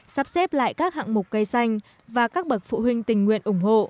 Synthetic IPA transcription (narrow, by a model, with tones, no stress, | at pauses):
saː˦˥p̚sɛ˦˥p̚la̰ː˧˨jkaː˦˥k̚ha̰˧˨ŋmʊ˨˩k͡p̚kə˧jsa˧jŋ̟ | vaː˨˩kaː˦˥k̚ɓə˨˩t̚fṵ˧˨ɦï˧ŋ̟t̪ï˨˩ŋ̟ŋwḭ˧˨ənʔʊ˧˩ŋ͡mɦo̰˧˨